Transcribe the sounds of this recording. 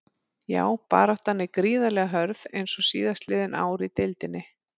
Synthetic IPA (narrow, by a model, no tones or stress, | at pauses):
ja̰ːwpa̰ːɾawht̪hanːɪkɾiːðalɛɣaɦœɾðejnsɔsḭːðast̪lɪːðɪna̰ːwɾit̪ɪlt̪ɪnːɪ